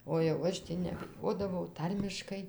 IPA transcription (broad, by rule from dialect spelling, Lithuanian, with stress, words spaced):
oː jɛʊ ˈɐʃ tʲiː nʲɛbʲɪˈjoːdɐʋɐʊ ˈtɐrʲmʲɪʃkɐɪ